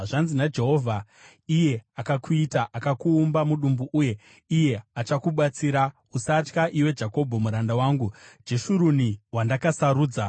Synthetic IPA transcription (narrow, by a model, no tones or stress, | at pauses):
ʐanzinad͡ʒe̞ɦo̞vʱa | ije̞akakuitaʔakakuːmbamuɗumbuʔuje̞ | ije̞at͡ʃakuɓat͡siːɾa | usat͡ʃkaʔiwe̞d͡ʒako̞bʱo̞muɾandawaːŋɡud͡ʒe̞ʃuɾuniwandakasaɾuːd͡za